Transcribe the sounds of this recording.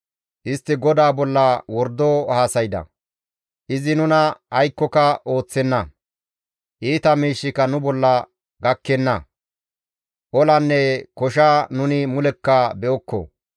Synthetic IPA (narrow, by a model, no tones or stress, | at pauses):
ʔɪst̪ːɪɡɔd̪aːbɔlːɐwɔɾd̪oːhaːsɐjd̪ɐ̰ | ʔɪzɪnʊnɐɐjkːɔkɐʔo̞ːt͡sːɛnːɐ | ʔiːt̪ɐmiːʃːɪkɐnʊbɔlːɐ | ɡɐkːɛnːɐ | ʔɔlɐnːɛkɔʃ̬aːnʊnɪmʊlɛkːɐbɛɔkːɔ̰